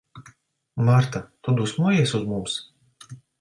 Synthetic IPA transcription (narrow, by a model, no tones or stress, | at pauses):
maɾt̪at̪ud̪usmɔɔjɛsuzmums